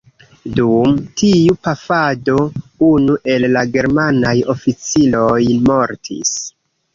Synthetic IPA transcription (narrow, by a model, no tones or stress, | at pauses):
dumtiupafado̞unuʔe̞lːaɡe̞ɾmanajo̞fit͡silo̞jmo̞ɾtʰḭs